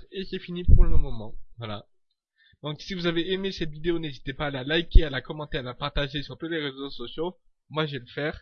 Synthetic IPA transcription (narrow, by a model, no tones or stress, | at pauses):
ekɛfinipuʁʁləmɔmɔmɑ̃vwala̰ | d̪ɔ̃ksivuzaveʔemesɛt̪vid̪eonezit̪epaːlalajkʲealakɔmɑ̃t̪ealapaʁt̪aʒesyʁt̪ut̪leʁezosɔsjo | mwaʒeləfɛːʁ